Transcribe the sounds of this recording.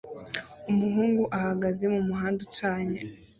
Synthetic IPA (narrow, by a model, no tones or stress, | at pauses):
umuɦuːŋɡuʔahaɡaze̞mumuɦaːndut͡ʃaːɲa